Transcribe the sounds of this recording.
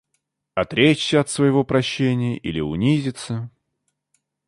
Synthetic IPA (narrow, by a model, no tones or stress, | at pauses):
ɐt̪ɾʲet͡ɕsʲəɐt̪svəjɪvopɾɐɕːenʲɪjəʔilʲɪʊnʲizʲɪt̪sə